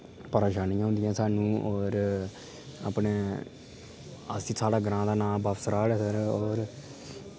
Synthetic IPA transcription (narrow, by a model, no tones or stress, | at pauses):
pəɾeːʃaːnijãːɦʊ̃ːnd̪ɪjãːsaːnũːɔːɾ | a̰ːpneː | ə̰siːsaːɽaːɡəɾãːd̪aːnãːbaːpʰsəɾaːɽeːsəɾɔːɾ